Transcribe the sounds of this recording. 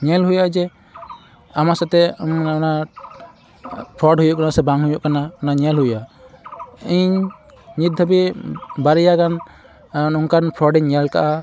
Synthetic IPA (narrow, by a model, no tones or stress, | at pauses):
ɲɛlɦujad͡ʒɛ | amasɛt̪ɛmana | pʰɾɔɖɦujuʔkanasɛbaŋɦujuʔkananaɲɛlɦuja | iɲ | ɲit̪̚d̪ʱabibaɾɛjakan | uŋkanpʰɾɔɖɛɲɲɛlka̰ʔa